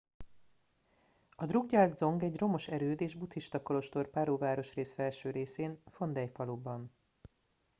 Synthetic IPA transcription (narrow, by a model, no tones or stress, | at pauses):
ɒd̪ruɡɟaːzd̪zo̞ŋɡɛɟro̞mo̞ʃɛɾøːd̪eːʒbut̪hiʃt̪ɒkolo̞ʃt̪orpaːɾoːvaːɾo̞ʃreːsfɛlʃøːɾeːseːnfo̞nd̪ɛjfɒlobːɒn